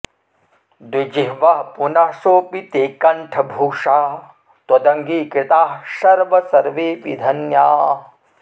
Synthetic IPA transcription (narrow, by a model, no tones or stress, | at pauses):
d̪id͡ʒiɦʋɐɦpunɐʂoːpit̪eːkɐɳʈʰɐbʱuːʂaː | t̪ɐd̪ɐŋɡiːkɾɪt̪aːɦʃɐɾʋɐsɐɾʋeːʋḭd̪ʱɐnjaː